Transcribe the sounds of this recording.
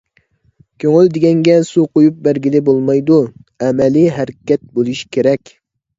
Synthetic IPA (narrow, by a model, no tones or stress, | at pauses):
kʲʰøŋyld̪ɪɡʲɛŋɡʲɛsuqojup̚bæɾɡʲilɪbolˠmɑjd̪uɛmɛliɦæɾkʲɛt̪̚bolˠuʃkʲʰeɾɛkʲ